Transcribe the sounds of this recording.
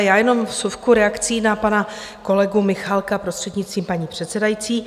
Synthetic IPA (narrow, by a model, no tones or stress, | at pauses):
jaːjɛno̞mfsufkuɾɛakt͡siːnapana | ko̞lɛɡumɪxalkapɾost̪r̥ɛd̪ɲɪt͡st̪viːmpaɲiːpr̥ɛt̪sɛdajit͡siː